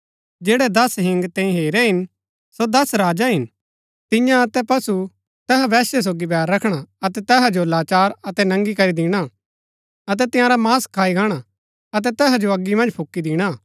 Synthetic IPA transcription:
d͡ʒeːɽɛd̪ɐsɦɪ̃ŋɡt̪ẽĩɦeːɾɛɦɪn | sod̪ɐsɾaːd͡ʒaɦɪn | t̪ɪ̃jãɐt̪ɛpɐsu | t̪ɛɦaʋɛːsɛs̬oːɡibɛːɾːɐkʰɽ̃aɐt̪ɛt̪ɛːɦad͡ʒoɐlaːt͡ʃaːɾɐt̪ɛnɐ̃ŋɡikɐɾid̪ɪɽ̃a | ɐt̪̬ɛt̪ɪ̃jãːɾamaːskʰaːiɡaːɽ̃a | ɐt̪̬ɛt̪ɛːɦad͡ʒoɐɡːimɐ̃nd͡ʒpʰʊkːid̪ɪɽ̃a

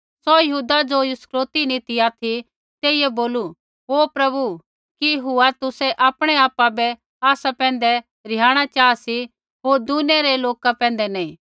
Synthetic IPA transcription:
sɔjɐɦuːd̪ad͡ʒojskɾoːt̪inĩt̪iaːt̪ʰi | t̪eːɪɛboːlu | ɦoːpɾɐbu | kijɦuat̪ʊsɛʔaːpɽ̃ɛaːpabɛ | aːsapɛ̃ːnd̪ɛ | ɾɪjaːɽ̃at͡ʃaːasi | ɦoːɾd̪uneɾɛloːkapɛ̃ːn̆d̪ɛnɛĩː

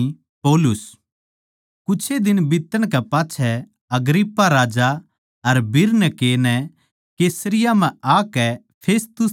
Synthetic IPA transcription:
poːlʊs | kʊt͡ʃʰed̪ɪnbɪt̪ːəɽ̃kɛpaːtːʃʰɛ | ɐɡɾɪpːaɾaːd͡ʒa | ɐɾbɪɾnɛkeːnɛ | keːsəɾɪjam̤ɛ̃aːkɛ | pʰeːst̪ʊs

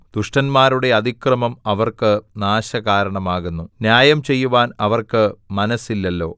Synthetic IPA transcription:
d̪̥uʂʈɐnmaːɾuɽe̞ɐd̪ʱikrɐmɐmɐʋɐrkɨnaːɕɐkaːɾɐɳɐmaːɣunːunjaːjɐmt͡ɕe̞jːuʋaːnɐʋɐrkɨmɐnɐsilːɐlːo̞̰ː

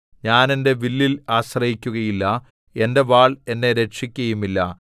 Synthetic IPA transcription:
ɲaːne̞ndeʋilːilaːɕrɐjikʲːuɣɐjilːɐ | e̞nde̞ʋaːɭe̞nːe̞ɾe̞kʂikʲːɐjumilːɐ

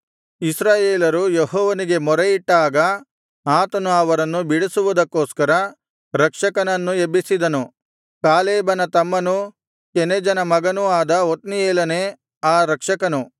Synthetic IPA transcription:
isɾaːjeːlɐɾujeɦɔːʋɐniɡe̞mɔɾɐjiʈːaːɡɐ | aːt̪ɐnuɐʋɐɾɐnːubiɽisuʋud̪ɐkːoːskɐɾɐ | ɾɐkʂɐkɐnɐnːuebisid̪ɐnu | kaːleːbɐnɐt̪ɐmːɐnu | kened͡ʒɐnɐmɐɡɐnuaːd̪ɐot̪nieːlɐne | aːɾɐkʂɐkɐnu

